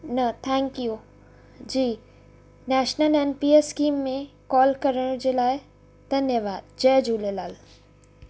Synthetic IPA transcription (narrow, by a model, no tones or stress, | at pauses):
nɐt̪ʰɛ̃ːŋkju | d͡ʑiː | nɛːʃnəlenpiːeskĩːmːẽkɔːlkɐɾəɽ̃d͡ʑeːlaːɪ | d̪̥ʱɐnjəʋaːd̪̚d͡ʑɛːd͡ʒuːlelaːl